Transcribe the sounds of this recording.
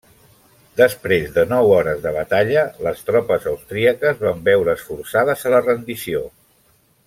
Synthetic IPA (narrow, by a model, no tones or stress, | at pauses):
d̪əspɾezðənɔwɔɾəzðəβ̞ət̪aʎələst̪ɾɔpəzəwst̪ɾiəkəzβambɛwɾəːsfuɾsaðəzələrənd̪isio